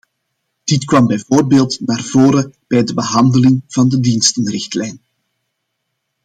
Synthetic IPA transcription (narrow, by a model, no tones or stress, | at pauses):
d̥ɪtkʋɑmbɛjvoːrbeːlˠtnaːrvoːɾəb̥ɛjdəbəɦɑndəlɪŋv̥ɑndədinstənrɪxtlɛjn